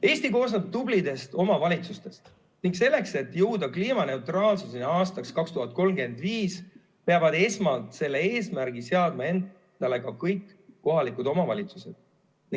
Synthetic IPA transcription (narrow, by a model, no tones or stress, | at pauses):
e̞ːsʲt̪iko̞ːsnɑb̚t̪ublid̪e̞st̪o̞mɑvɑlʲit̪sust̪e̞st̪ | niŋkse̞lːe̞kse̞t̪ːjɤwd̪̥ɑkliːmɑne̞ut̪rɑːlsusineɑːst̪ɑkskɑkst̪uɦɑt̪̚ko̞lmɡe̞nd̪̥viːs | pe̞ɑvɑd̪e̞smɑlt̪se̞lːe̞e̞ːsmæɾɡise̞ɑd̪̥mɑe̞n | d̪̥ɑle̞ɡ̥ɑkɤjkˑː | o̞ɦɑlikud̪o̞mɑvɑlʲit̪suse̞d̪̥ | ni